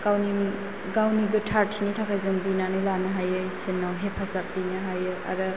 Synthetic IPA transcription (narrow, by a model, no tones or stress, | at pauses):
kawniŋ | ɡawniɡɯtʰaɾtʰinitʰakʰajzɯŋbinanɯjlanɯɦajɯjsinːawɦepʰazap̚dinɯɦajɯa̰ɾɯ